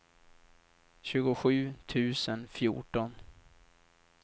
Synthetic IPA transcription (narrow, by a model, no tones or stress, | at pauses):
ɕʉ̟ːɡʊɧʉ̟ːt̪ʰʉ̟ːsənfjṵːʈɔn